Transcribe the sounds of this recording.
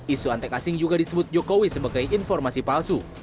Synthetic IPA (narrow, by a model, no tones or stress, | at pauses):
isuant̪ɛkasɪŋd͡ʒuɡadisəbʊt̪̚d͡ʒokowisəbaɡajʔinfɔrmasipalsu